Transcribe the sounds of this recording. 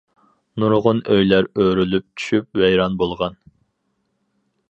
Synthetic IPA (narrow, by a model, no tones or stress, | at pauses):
nuɾʁʊnʔøjlæɾøɾylyp̚t͡ʃʰy̥ʃyp̚wɛjɾɑnbolˠʁɑn